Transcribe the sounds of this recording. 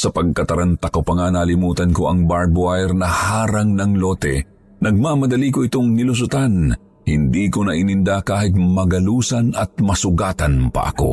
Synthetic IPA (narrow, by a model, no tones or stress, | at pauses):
sɐpɐɡ̚kɐt̪ɐɾɐnt̪ɐkopɐŋanaːlɪmuːt̪ɐnkoʔɐŋbaɹbʊajɛɾnɐhaːɾɐŋnɐŋlot̪ɛ̰ | nɐɡ̚maːmɐd̪ɐlikoʔɪt̪oŋnɪlʊs̬ʊt̪an | hɪnd̪iːkonɐʔɪnɪnd̪akaːhɪt̪̚mɐɡɐluːsɐnɐt̪̚mɐsʊɡaːt̪ɐnpɐ̰ʔɐ̰ko̞̰